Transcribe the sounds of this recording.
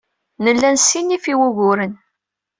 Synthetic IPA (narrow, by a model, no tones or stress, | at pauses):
nəlːænsinːifiwuʝʊɾən